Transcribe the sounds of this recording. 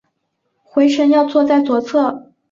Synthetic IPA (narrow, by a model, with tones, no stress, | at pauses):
xwe˧˥ɪʂə˧˥njɑ˥˧ʊt͡swɔ˥˧t͡sa˥˩ɪt͡swɔ˨˩t͡sʰɤ˥˩